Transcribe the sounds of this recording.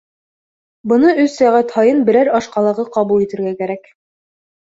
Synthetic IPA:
bɤ̆nɤɵsːæʁæt̪hɑjɤnbɘ̆ɾæɾɑʃqɑlˠɑʁɤqɑβulˠit̪ɘ̆ɾɡækæɾæk

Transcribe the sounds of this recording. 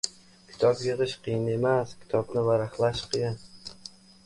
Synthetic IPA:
kʲʰɪ̥t̪ʰɒpjɨʁɨʃqʰɨjɪne̞maskʲʰɪ̥t̪ʰɒbnɪvaɾaχlˠaʃqʰɨjan

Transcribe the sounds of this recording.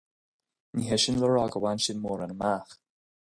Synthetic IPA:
niɦɛʃɪnləɹɔɡəwanʃɪnmɔːɾanəmaːx

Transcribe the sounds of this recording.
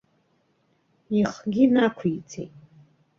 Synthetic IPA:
iχɡʲinakʷʰit͡sʰʼḛ

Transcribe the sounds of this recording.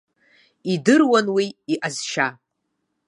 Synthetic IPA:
idɨrwanwiːʔazʃa

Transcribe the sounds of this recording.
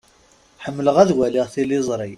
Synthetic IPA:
ħəmːələʁæðwælɪʁθilɪzˤɾˤi

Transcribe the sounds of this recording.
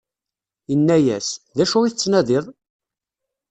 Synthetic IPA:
jənːæjæsðæʃʊʁiθət͡sːnæðɪðˤ

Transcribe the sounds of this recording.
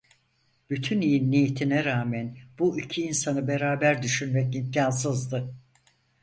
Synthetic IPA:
b̥yt̪ʰynijinːijet̪ʰinɛɾaːmænbuicʰiːnsanɯbe̞ɾaːbæɾd̪yʃynmɛcimcʰaːnsɯzd̪ɯ

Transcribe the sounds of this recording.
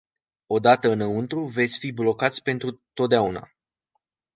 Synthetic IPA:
o̞d̪at̪əɨnəunt̪ɾuve̞t̪sʲfiblo̞kat̪sʲpe̞nt̪ɾut̪o̞t̪̚d̪eauna̰

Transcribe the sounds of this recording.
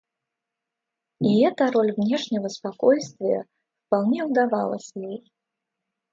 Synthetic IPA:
iɦɛt̪ɐɾɔlʲwnʲɛʂnʲɐɣɐspakɔjst̪vʲɪjɛ̰ | fpaw̪nʲɛwd̪avalˠɐ̰sʲɐjɛj

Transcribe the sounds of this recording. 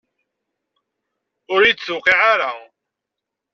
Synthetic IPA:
ʊɾjt͡sːt͡sːʊqiʕaɾa

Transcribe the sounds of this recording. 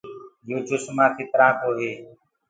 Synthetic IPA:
joːd͡ʒosmãːt̪ʰiːt̪əɾãːt̪oːɦeː

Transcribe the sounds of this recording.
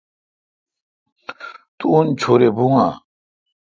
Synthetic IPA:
t̪uːnt͡ʃʰoɾebuŋa

